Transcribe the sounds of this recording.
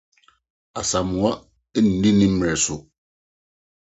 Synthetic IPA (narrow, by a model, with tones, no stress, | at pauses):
a˨sa˨mʊ̃˨a˦ | n̩˨dĩ˦nĩ˦m̩˦m˨ɛ˨sʊ˨